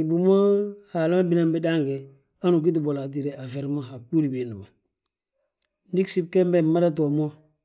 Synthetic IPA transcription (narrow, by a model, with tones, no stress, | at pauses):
i˨bu˨mo˦ha˨la˦ma˦bi˦na˦mbi˦da˦ŋɡɛ˨ | a˦nu˨k̬i˦t̬i˨bo˨la˨t̬i˨ɾɛ˨a˨fɛ˨ɾma˦ɦa˨ku˦ɾi˨bi˨nu˨bo˨ | ndi˦ksi˦b̚kɛ˦mbɛ˨mːa˦da˦t̬ɔ˨mo˦